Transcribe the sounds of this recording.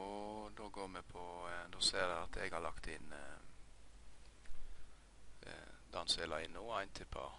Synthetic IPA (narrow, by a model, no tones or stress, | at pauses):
d̪oːɡoːmɛpʰɔd̪oːseːɾd̪ɛɑt̪ʰɛɡhɑɾlɑkt̪ɪn | d̪ɑnseːlɑɪnːuːæɪnt̪ʰɪpʰɑ̰ː